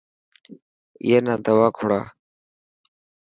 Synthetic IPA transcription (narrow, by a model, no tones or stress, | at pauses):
ɪ̰jeːnaːd̪əʋaːkʰoɽa̰ː